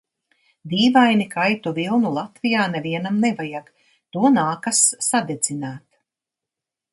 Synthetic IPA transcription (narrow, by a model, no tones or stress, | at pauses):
d̪iːvajnikajt̪uvilˠnulˠat̪vijaːneviɛnamnɛvajaɡ | t̪uɔnaːkasːad̪ed̪z̥ʲinaːt̪